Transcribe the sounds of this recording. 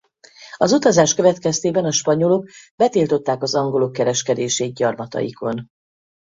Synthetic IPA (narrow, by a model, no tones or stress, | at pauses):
ɒzut̪ɒzaːʃkøvɛt̪kɛst̪eːbɛnɒʃpɒɲo̞loɡ̚bɛt̪iːlt̪o̞t̪ːaːkɒzɒŋɡo̞lokːɛɾɛʃkɛd̪eːʃeːt̪̚ɟɒrmɒt̪ɒ̰jḭkʰo̞n